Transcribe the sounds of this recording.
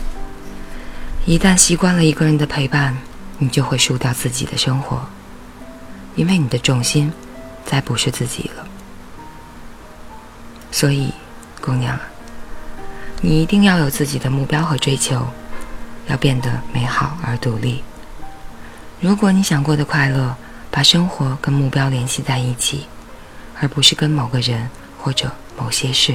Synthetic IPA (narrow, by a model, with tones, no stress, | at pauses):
i˧˥t̪a˥˩nɕi˥kwa˥nlə˨˩i˧˥ɡə˧ɻə˧˥nd̪ə˧pʰe˧˥ɪpa˥˩n | ni˨˩t͡ɕjo˥˧ʊxwe˥˧ɪʂu˥˧t̪jɑ˥˧ʊt͡sɹ̩˥˩t͡ɕḭ˨˩d̪ə̰˦ʂɤ˥ŋxwɔ˧˥˦ | i˥nwe˥˩ɪni˨˩d̪ə˦ʈ͡ʂʊ˥˩ŋɕi˥n | t͡sa˥˩ɪpu˨˧˥ʂɻ̩˥˧t͡sɹ̩˥˩t͡ɕḭ˨˩lə˦ | swɔ˧˥i˨˩ | kʊ˥ŋnjɑ̰˨˩ŋ | ni˨˩i˧˥t̪i˥˧ŋjɑ˥˩ʊjo˨˩ʊt͡sɹ̩˥˩t͡ɕi˨˩d̪ə˦mu˥˩pjɑ˥ʊxɤ˧˥ʈ͡ʂwe˥ɪt͡ɕʰjo˧˥ʊ | jɑ˥˧ʊpjɛ˥˩nd̪ə˩me˧˥ɪxɑ˨˩ʊə˞˧˥t̪u˧˥li˥˩ | ɻu˧˥kwɔ˨˥˦ni˧˥ɕjɑ˨˩ŋkwɔ˥˩d̪ə˩kʰwa˥˧ɪlɤ˥˩ | pa˨˩ʂɤ˥ŋxwɔ˧˥kə˥nmu˥˩pjɑ˥ʊljɛ˧˥nɕi˥˧t͡sa˥˧ɪi˥˩t͡ɕʰi˨˩˦ | ə˞˧˥pu˧˥ʂɻ̩˥˩kə˥nmo˨˩ʊɡə˦ɻə˧˥n | xwɔ˥˩ʈ͡ʂɤ˨˩˦ | mo˨˩ʊɕjɛ˥ʂɻ̩˥˩